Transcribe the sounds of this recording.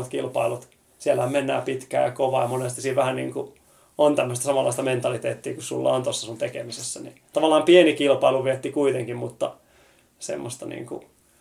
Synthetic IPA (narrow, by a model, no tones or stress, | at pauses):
ot̪kilpɑ̰ilut̪ | siælːæhæmmenːæ̰ːpit̪kæ̰ːjɑkoʋɑjɑmonest̪isiːʋʋæhænḭːŋku | ont̪æmːøəst̪æsɑmɑlːɑ̰ist̪ɑment̪ɑlit̪eːt̪ːiːkussṵlːɑ̰ont̪osːɑsunt̪ekemisesːænḭt̪ɑʋɑlˑːɑːmpienikilpɑiluʋiet̪ːikuit̪eŋkimmut̪ːɑ | sḛmːost̪ɑnḭːŋkṵ